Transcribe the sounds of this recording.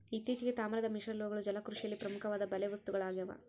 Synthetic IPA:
it̪ːiːt͡ʃiɡet̪aːmɾɐd̪ɐmiʂɐɾlʋɐɡɐɭud͡ʒɐlɐkɾuʂijɐlːipɾɐmukʰɐʋaːd̪ɐbɐleʋɐst̪uɡɐɭaːɡjɐʋa̰

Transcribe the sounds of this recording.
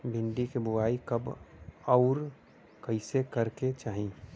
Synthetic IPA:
bʱɪ̃ɳɖikebʊwaːikəbɔʊɾ | kəɪsekəɾket͡ʃaːɦĩ

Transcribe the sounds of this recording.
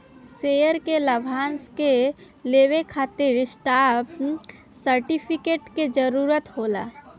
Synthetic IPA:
sejəɾkeləbʱaːnske | leːwekʰaːt̪ɪɾɪsʈaːp | səɾʈipʰɪkeːʈked͡ʒəɾuːɾət̪ɦoːla̰ː

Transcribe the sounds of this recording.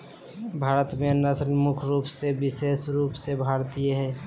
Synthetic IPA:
bʱaːɾət̪menəsənmʊkʰɾuːpsebɪseːsɾuːpsebʱaːɾt̪ijeɦɛː

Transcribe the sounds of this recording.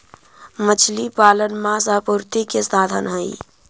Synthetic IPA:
mət͡ʃʰlipalənmãsapuɾt̪ikesad̪ʱənɦəɪ

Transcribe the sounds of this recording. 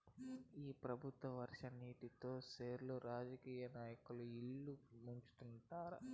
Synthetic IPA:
iːpɾɐbʱut̪ʋɐʋɐɾʂɐniːʈit̪o̞ːseːɾloɾaːd͡ʒɐkiːjɐnaːjɐkuluiɭːumuɲt͡ʃu̥t̪uɳʈaːɾɐ

